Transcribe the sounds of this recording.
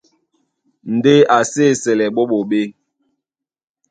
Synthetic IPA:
n̩˨de˦a˨se˦˨sɛ˨lɛ˨ɓo˦ɓo˨ɓe˦

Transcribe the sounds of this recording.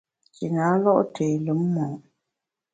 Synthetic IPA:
ki˨na˨˦lɔ˦ʔtʰeː˨lu˨˦mː˦ɔː˨ʔ

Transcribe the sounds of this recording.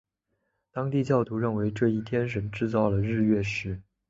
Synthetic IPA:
t̪ɑ˥ŋt̪i˥˧t͡ɕjɑ˥˩ʊt̪u˧˥ɻə˥˩nwe˧˥ɪʈ͡ʂɤ˥˧i˥˩t̪ʰjɛ˥nʂ̬ə˧˥nʈ͡ʂɻ̩˥˧t͡sɑ˥˩ʊlə˩ɻɻ̩˥˧ɥɛ˥˩ʂɻ̩˧˥

